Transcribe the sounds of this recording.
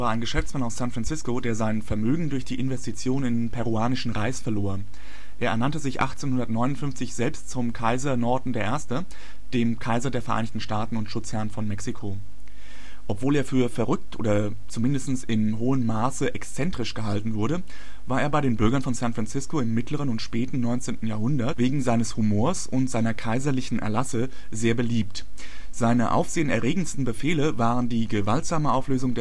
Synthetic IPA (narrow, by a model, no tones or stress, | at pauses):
vaːɐaɪnɡəʃɛft͡smanaʊssantfʁ̥ant͡sɪskodeːɐzaɪnfɛɐmøːɡŋ̩dʊɐçd̥iːʔɪnvɛstit͡sjoːnɪnpʰɛʁuaːnɪʃn̩ʁaɪsfɛɐloːɐ | ʔeːɐʔɛɐnantəzɪçʔa̰χt͡seːnhʊndɐtnɔʏnʊntfʏnft͡sɪçz̥ɛlpstt͡sʊmkʰaɪzɐnɔɐdn̩deːɐʔeːɐstə | d̥eːmkʰaɪzɐdeːɐfɛɐʔa̰ɪnɪçtn̩ʃtaːtn̩ʊntʃʊt͡shɛɐnfɔnmɛksikʰo | ʔɔpv̥oːleːɐfyːɐfɛɐʁʏk̚tʔo̰ːdɐ | t͡sumɪndəstn̩sɪmɦoːənmaːsəʔɛkst͡sɛntʁ̥ɪʃɡ̥əɦaltn̩vʊɐɾə | vaːeːɐbaɪɾeːnbʏɐɡɐnfɔnsãntfʁ̥ant͡sɪskoɪmːɪtləʁ̞ənʊntʃpɛːtn̩nɔʏnt͡seːntn̩jaːɐɦʊndɐtveːɡŋ̩zaɪnəshumoːɐsʊntz̥aɪnɐkʰaɪzɐlɪçn̩ʔɛ̰ɐlasə | zeːɐbəliːp̚t | z̥aɪnəʔa̰ʊfz̥eːənɛɐʁeːɡŋ̩stn̩bəfeːləvaːʁəndiːɡəvaltz̥aːməʔaʊfløːzʊŋdeː